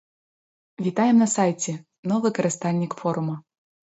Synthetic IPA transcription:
vʲit̪ajɛmnɐsajtʲɛ | nɔvɨkɐɾʲɨst̪alʲnʲikfɔɾumɐ

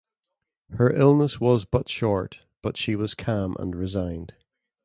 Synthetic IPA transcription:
hə˞ʔɪlˠnəswɔzbʌʔʃɔɹʔ | b̥ʌtʃiwɔz̥kʰãmʔə̰̃nɹɪzãɪ̃nd̥

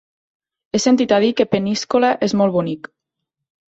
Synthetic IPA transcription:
esent̪it̪aðikepeniskolaʔezmolβunik

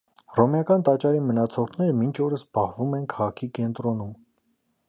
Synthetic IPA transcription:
rɔmjɑkɑnt̪ɑt͡ʃɑɾimənɑt͡sʰɔɾt̪ʰnɛɾəmint͡ʃʰɔɾəsbɑhvumɛnkʰɑʁɑkʰikɛnt̪ɾɔnum

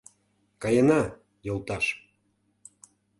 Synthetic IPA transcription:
kɑjenɑ | jolˠt̪ɑʃ

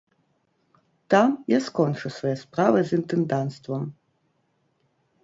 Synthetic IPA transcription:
t̪amjaskɔnt͡ʂɨsvɔjaspɾavɨzint̪ɨnd̪ant̪st̪vɐm

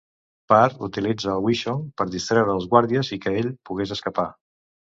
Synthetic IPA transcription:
paɾut̪ilid͡zəːlˠwiʃopəɾðist̪ɾɛwɾəlˠzɣwaɾðiəzikəeʎpuɣ̞ezəskəpa

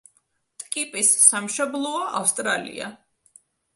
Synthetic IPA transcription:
t̪ʼkʼipʼisːamʃɔblˠɔɔʔa̰fst̪ʼɾalḭa̰

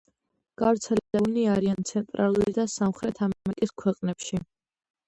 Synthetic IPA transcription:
ɡ̥avɾt̪sʰɛlid̪aniaɾiant̪sʰɛnt̪ʼɾʔalˠuɾid̪asamχɾɛt̪ʰamamɛkʼiskʰwɛqʼnɛpʃi

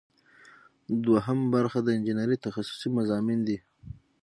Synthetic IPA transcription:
d̪waɦəmbaɾxad̪əɪnd͡ʒinaɾit̪axasʊ̥simazɑmind̪i

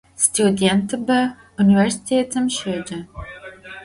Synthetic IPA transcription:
stʰjudentʰɨbɐ | univɛrsi̥tʰeːtʰɨmʃed͡ʒɐ

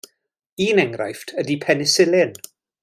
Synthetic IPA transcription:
iːnɛŋɾa̰jftʰədipʰɛnɪsɪlɪn

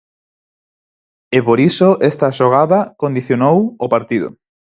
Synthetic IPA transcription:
epoɾisoʔɛst̪aʃoɣaðakond̪iθjonowopaɾt̪iðʊ̰

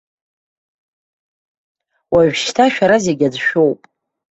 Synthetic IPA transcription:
waʒᶣʃtʰaʃᶣaɾazeɡʲad͡zʃᶣo̞wpʼ

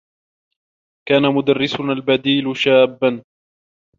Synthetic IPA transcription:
kaːnamʊd̪arːɪsʊnalbad̪iːlʃaːbːan

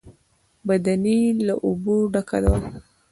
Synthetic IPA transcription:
bad̪anilaʔuboɖaka̰d̪awa

